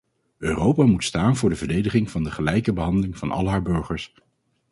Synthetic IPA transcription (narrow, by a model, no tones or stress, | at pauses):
ʔøːrowpaːmutstaːnvʊːɹdəvəɹdejdəχɪŋvɑndəχəlɛjkəbəɦɑndəlɪŋvɑ̰nɑ̰lˠɦaːɹbɵɹχəɹs